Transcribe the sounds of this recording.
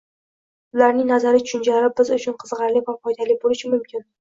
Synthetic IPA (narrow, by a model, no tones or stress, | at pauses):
ʊlaɾnɪŋnazaɾɪt̪ʰʊ̥ʃʊnt͡ʃʰalaɾɪbɪzʊt͡ʃʰʊnqʰɨzʁɑɾlivafɒjd̪alibolɪʃɪmʊmkʲɪn